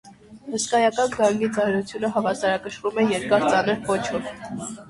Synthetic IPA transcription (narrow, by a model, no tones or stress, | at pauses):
həskɑjɑkɑnɡɑŋɡit͡sɑɾut͡sʰjunəɦɑvɑsɑɾɑkəʃɾumɛjɛɾkɑɾt͡sɑnəɾpɔt͡ʃʰɔv